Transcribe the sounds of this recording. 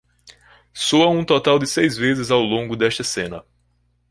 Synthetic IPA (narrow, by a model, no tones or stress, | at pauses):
soɐũt̪ɔt̪awd̪ɪsejzvezɪzawlõŋɡʊd̪ɛst̪ɐsẽnɐ